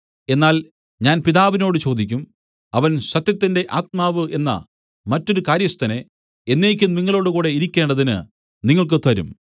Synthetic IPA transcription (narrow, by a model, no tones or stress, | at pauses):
e̞nːaːl | ɲaːnpiðaːʋino̞ːɽɨt͡ɕo̞ːd̪ikʲːum | ɐʋɐnɕɐt̪jɐt̪ːinde̞ʔaːt̪̚maːʋɨʔe̞nːɐ̰ | mɐtːo̞ɾukaːɾjɐst̪ɐne | e̞nːeːkʲːunniŋːɐɭo̞ːɽukuːɽe̞iɾikʲːe̞ːɳɖɐðinɨ̰ | niŋːɐɭk̬ɨt̪ɐɾṵm